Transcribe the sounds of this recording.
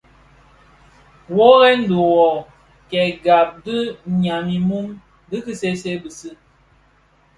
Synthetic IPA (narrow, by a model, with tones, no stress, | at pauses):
wɔ˦ɣɛ˦n̩˦du˨wɔ˨ | kɛ˨ɡa˨p̚dɨ˦ɲa˨mi˨mu˦m | dɨ˦kɨ˦se˦se˦bɨ˨sɨ˦